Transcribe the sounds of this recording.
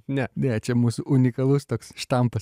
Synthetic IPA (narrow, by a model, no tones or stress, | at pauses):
nʲɛnʲɛt͡ʃʲɛmuːsʊʔʊnʲɪkɐlˠʊst̪oːksʃt̪ɐmpɐs